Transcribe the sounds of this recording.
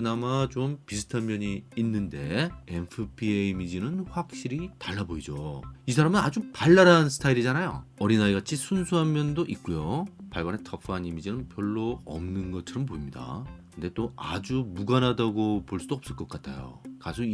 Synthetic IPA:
ɯnamat͡ɕompisʰɯ̥tʰamjʌɲiːnːɯnde̞̰enpʰɯpʰieimid͡ʑinɯnɸwak̚ɕ͈iɾitaɭːaboid͡ʑo̰is̬ʰaɾamɯnad͡ʑupaɭːaɾansʰɯ̥tʰaiɾid͡ʑanajo̰ʌɾinaeɡat͡ɕʰisʰunsʰuɦamjʌndoʔik̚k͈ujopaɭɡane̞tʰʌpʰɯanimid͡ʑinɯnpjʌɭːoʌ̰mnɯnɡʌt͡ɕʰʌɾɯmpoimɲida̰kkɯnde̞t͈oad͡ʑumuɡanɦadaɡopoɭs͈udoʌp̚s͈ɯɭk͈ʌk͈atʰajo̰kasʰo

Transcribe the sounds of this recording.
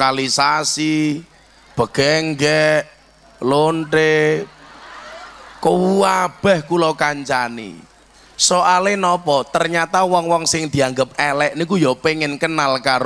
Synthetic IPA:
kalisasi | b̥ə̤ɡ̥ɛŋɡɛʔ | loɳʈe | kəwuab̥ɛ̤hkulɔkaɲt͡ʃanḭ | soʔalenɔpɔt̪ərɲat̪awɔŋwɔŋsɪŋd̪̥i̤aŋɡəp̚ɛlɛʔnik̬ujɔpeŋɪnkənːalkaɾ

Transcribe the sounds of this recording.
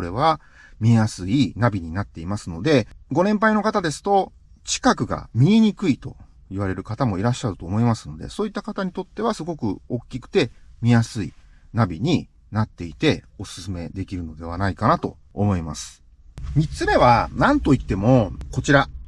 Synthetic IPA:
oɾe̞β̞a | mʲijasɨinabʲiɲ̟inat̪ːe̞imasɨno̞d̪e̞ɡo̞nẽ̞mp̬aino̞kat̪ad̪e̞sɨ̥t̪o̞ | t͡ɕi̥kakɯ̟ɡa̰mʲiɲiɲ̟ikɯ̟it̪o̞ | iβaɾe̞ɾɯ̟kat̪amo̞iɾaɕːaɾɯ̟t̪o̞ːmo̞imasɨno̞d̪e̞̰so̞ːit̪ːakat̪aɲ̟it̪o̞t̪ːe̞β̞asɨɡo̞kɯ̟̰o̞kʲːikɯ̟̥t̪e̞mʲijasɨḭ | nabʲiɲ̟i | nat̪ːe̞it̪e̞ | o̞sɨ̥sɨme̞d̪e̞kʲiɾɯ̟no̞d̪e̞β̞anaikanat̪o̞̰ː | mo̞imasɨ̥ | mʲit͡sɨme̞βanãnt̪o̞it̪ːe̞mo̞ko̞t͡ɕiɾa

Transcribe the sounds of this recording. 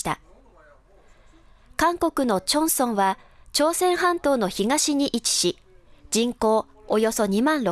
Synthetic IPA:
t̪a̰ | kãŋko̞kɯ̟no̞t͡ɕõ̞ɰ̃sõ̞ɰ̃βa | t͡ɕo̞ːsẽ̞ɰ̃ɦãnt̪o̞ːno̞çiɡaɕiɲ̟iʔit͡ɕi̥ɕi | d͡ʑĩŋko̞ː | ojo̞so̞ɲ̟imãnɾo

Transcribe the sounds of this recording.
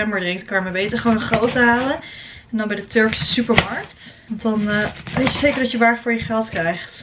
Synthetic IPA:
ɛməɹdrɪŋtkɑəmɛbejzəχːəʋownəχrowtəɦaːlən | ɛndɑnbɛjdətøɹksə̥sypəɹmɑɹktɔndɑnʋejtəzejkəɹdɑtjəʋaːɹfʊːɹjəχɛlˠtkrɛjχt

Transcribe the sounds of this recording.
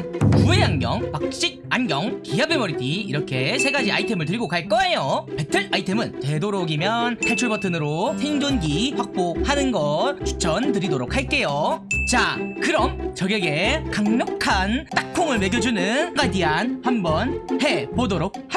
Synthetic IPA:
kue̞anɡjʌŋpak̚ɕ͈ik̚anɡjʌŋkijabemʌɾitʰiːɾʌkʰe̞sʰe̞ɡad͡ʑia̰itʰe̞mɯɭtɯɾiɡokaɭk͈ʌe̞jope̞tʰɯɾaitʰe̞mɯntwe̞doɾoɡimjʌnkʰaɭt͡ɕʰuɭbʌtʰɯnɯɾosʰeiŋd͡ʑonɡiɸwak̚p͈ohanɯnɡʌt̚t͡ɕʰu̥t͡ɕʰʌntɯɾidoɾok̚ʰaɭ̚k͈e̞jot͡ɕakɯɾʌmt͡ɕʌɡeɡe̞kaŋɲʌkkʰant͈ak̚kʰoŋɯɭme̞ɡjʌd͡ʑunɯnɡadianɸambʌnhe̞bodoɾok̚ha

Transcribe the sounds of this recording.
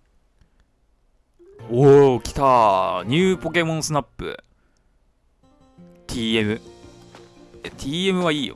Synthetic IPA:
okʲi̥t̪aɲ̟ʲɯːpo̞k̬e̞mõ̞nsɨnapːɯ̰ | t̪ʲʰiːemɯ̟ | et̪ʲʰiːe̞mɯ̟βaiːjo̰

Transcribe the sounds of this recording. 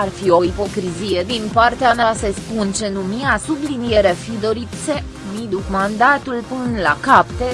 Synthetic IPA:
arfio̞ipo̞kɾizije̞d̪inpart̪eamasespunt͡ʃe̞numijasublinijeɾafid̪o̞ɾit̪se | mid̪ukmand̪at̪ulpɨnla̰kapt̪e

